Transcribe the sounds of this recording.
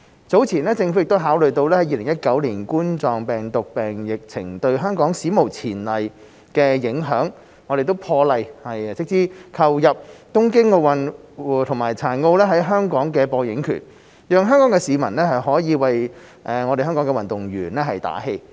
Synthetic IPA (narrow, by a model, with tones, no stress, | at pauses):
t͡so˨˥wt͡sʰiː˨˩nɛː˥t͡sɪ˧ŋfu˧˥˨kt̪wɦaː˨˥wlɵ˨ɥjt̪o˧wlɛ˥hɐ˨˥jiː˧lɪ˨˩ŋjɐ˥t̚kɐ˨˥wliː˨˩nkuː˥nt͡ʃɔː˨ŋpɛː˨˩ŋt̪ʊ˨k̚pɛː˨ŋjɪ˨k̚t͡sʰɪ˨˩ŋt̪ɵ˧ɥɦœː˥ŋkɔː˨˥ŋsiː˨˥mo˨˩wt͡sʰiː˨˩nlɐ˨j | kɛː˧jɪ˨˥ŋɦœː˨˥ŋ | ɔː˨˧ɾe˨jt̪o˥wpʰɔː˧lɐ˨jhɐ˨jt͡sɪ˥k̚t͡siː˥kʰɐ˧wjɐ˨p̚t̪ʊ˥ŋkɪ˥ŋo˧wɐ˨nː˨t̪ʰʊ˨˩maː˨˩jt͡sʰaː˨˩nŋo˧wlɛː˥ɦɐ˨˥jɦœː˥ŋkɔː˨˥ŋkɛː˧pɔː˧jɪ˨˥ŋkʰy̰ː˨˩n | jœː˨ŋɦœː˥ŋkɔː˨˥ŋkɛː˧siː˨˧mɐ˨˩nlɛː˥hɐ˨jɦɔː˨˥jiː˨˧wɐ˨j | ʔɛ˨ŋɔː˨˧ɾe˨jɦœː˥ŋkɔː˨˥ŋkɛ˧wɐ˨nt̪ʊ˨˩ŋɥyː˨˩nlɛː˥ɦɐ˨jt̪a̰ː˨˥he˧j